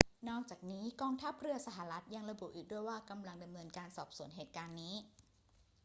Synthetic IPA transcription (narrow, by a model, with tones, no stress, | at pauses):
nɔː˥˩k̚t͡ɕaː˨˩k̚niː˦˥kɔː˧ŋt̪ʰa˦˥p̚ɾɯ˥˩ɐsa˧ɦa˨˩ɾa˦˥t̪̚ja˧ŋɾa˧bu˨˩ʔiː˨˩k̚du˥˩əjwaː˥˩ka˧mla˧ŋda˧mnɤː˧nkaː˧nsɔː˨˩p̚su˨˩˦ənɦeː˨˩t̪̚kaː˧nːiː˦˥